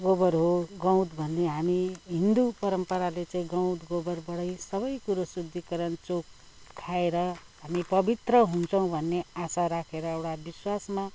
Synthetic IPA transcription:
ɡobʌrɦoɡʌw̃d̪bʱʌnːeɦamiɦind̪upʌɾʌmpʌɾalet͡saĩɡʌ̃w̃d̪ɡobʌrbʌɽʌjsʌβʌjkuɾosud̪ʱːikʌɾʌnt͡sok̚ | t̪ʰːaeɾʌɦamipʌbit̪rʌɦunt͡sʰʌw̃bʱʌnːeasaɾakʰeɾʌewʈabiswasma

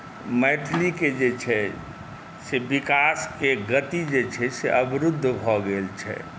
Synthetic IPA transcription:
mɛːʈʰliked͡ʒet͡ʃʰɛ | sebɪkaːskeɡət̪id͡ʒet͡ʃʰɛseʔəbɪɾʊd̪ʱːbʱɔɡelt͡ʃʰɛ̰

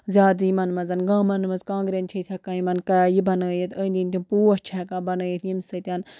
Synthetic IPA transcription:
zʲjaːd̪ijmɐnmɐzɐnɡãːmɐnmɐzkãːŋɡɾent͡ʃʰɐt͡sʲʰɐkaːjimɐnkajibɐnɐjit̪əːnd̪int̪ʲũmpuːɐt͡ʃʰakãːbɐnjit̪jimsɐt̪ʲan

